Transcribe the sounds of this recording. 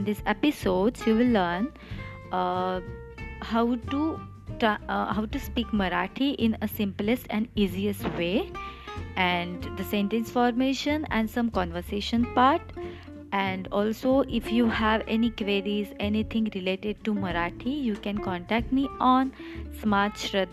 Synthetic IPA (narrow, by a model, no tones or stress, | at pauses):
nd̪ɪsepɪsoːɖzjuːʋɪlːəɾn | haʊʈu | ʈhaʊʈuspiːkməɾaːʈʰiʔɪ̃nəsɪ̃mplɪsʈɛ̃ɳiːziəsʈʋeː | ʔæ̃ɳɖd̪əsẽɳʈə̃nsfɔːɾmeːʃə̃nɛ̰̃ɳɖsʌ̃mkɔ̃ːnʋəɾseːʃə̃npaːɾʈ | ɛ̃ɳɖɔːlsoːʔɪfjuːhæʋɛnikʋeːɾizɛnit̪ʰɪ̃ŋɾɪleːʈeɖ̚ʈuməɾaːʈʰijuːkɛ̃nkɔ̃ːɳʈæk̚ʈmiːɔ̃ːnsmaːtʃɾət̪